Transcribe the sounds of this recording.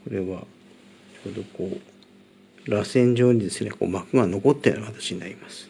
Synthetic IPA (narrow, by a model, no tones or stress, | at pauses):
ko̞ɾe̞βa | t͡ɕo̞ːd̪o̞koː | ɾasẽ̞ɲ̟d͡ʑo̞ːɲ̟id̪e̞sɨne̞ko̞̰ːmakɯ̟ɡano̞ko̞t̪ːej̰nakat̪ḁt͡ɕiɲ̟inaɾʲimasɨ̥